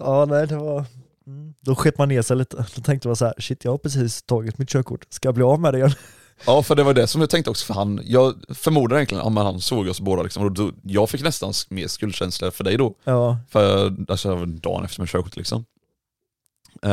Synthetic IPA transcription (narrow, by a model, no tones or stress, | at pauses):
ɑːnɛɪd̪ɛvɑɾ | m̩d̪ɔɧɛt̪ːəmanːeːʂɛjliːt̪ʰəd̪̥ɔt̪ʰɛŋkt̪əmansahæːɾʂɪt̪ʰːjɑhapʰɾɛs̬iːst̪ʰɑːɡɪt̪mɪt̪ɕøːkʰʊ̰ʈːskajɑːbliːɑvmɛd̪ɛɡanː | ɑːfœɖɛvajd̪ɛsɔmjɑt̪ɛŋkt̪əɔksɔ̥fœɾhanjɑːɡfœɾmuːd̪ad̪jɛnklɪjə̰nʔa̰mɛnhansoːɡɔsboːd̪alɪksɔmɔd̪ɔjɑːɡfɪkːnɛst̪ansmeːɾskɵlɕɛnsləfœɖɛjd̪ɔɑːfœt̪jɑasd̪ɑ̰ːnʔɛfəɾmɪt̪ɕøːkʊʈ̪lɪ̰ksɔ̰m